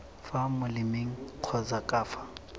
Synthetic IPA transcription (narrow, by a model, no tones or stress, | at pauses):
famʊlɪmeŋ̩q͡χʰɔzakʼaːfḁ